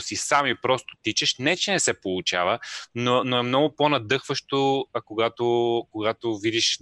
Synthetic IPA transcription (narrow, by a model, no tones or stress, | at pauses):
sisamipɾɔst̪o̥t̪it͡ʃəʃnɛt͡ʃɛnɛsɛpolˠʊt͡ʃa̰vənonoɛmnɔɡʊponɐd̪ɤxvəʃt̪oɐkoɡat̪okoɡat̪ovid̪iʃ